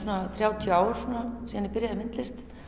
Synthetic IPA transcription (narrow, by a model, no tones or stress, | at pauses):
uːnaθɾjaːwt̪ʰjaːwɾ̥sunasiːðanːɪɾpɪɾjaðɪmɪnt̪lɛst̪